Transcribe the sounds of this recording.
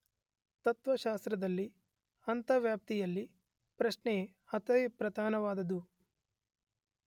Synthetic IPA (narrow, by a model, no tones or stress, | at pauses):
t̪ɐt̪ʋɐʃaːst̪ɾɐd̪ɐlːi | ɐnt̪ɐʋjaːp̚t̪ijɐlːi | pɾɐʃɳe | ɐt̪ɐjpɾɐd̪ʱaːnɐʋaːd̪ɐd̪u